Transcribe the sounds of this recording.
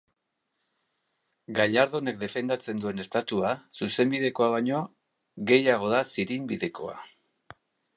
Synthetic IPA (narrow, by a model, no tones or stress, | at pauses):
ɡaʎaɾðo̞ne̞k̚d̪e̞fe̞nd̪at͡se̞nd̪ue̞ne̞st̪at̪uasuse̞mbið̞e̞ko̞aβaɲo̞ | ɣe̞jaɣ̞o̞ðasiɾimbiðe̞ko̞̰a̰